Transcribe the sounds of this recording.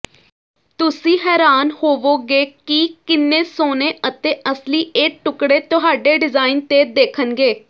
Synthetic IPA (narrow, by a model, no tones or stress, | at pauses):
t̪ʊsĩːɦɛːɾaːnhoːʋoːɡeːkiːkɪnːẽːsoːneːʔət̪eːʔəsliːʔeːʈʊkɽeːt̪ʊɦaːɖeːɖɪzaːiɪnt̪eːd̪eːkʰənɡeː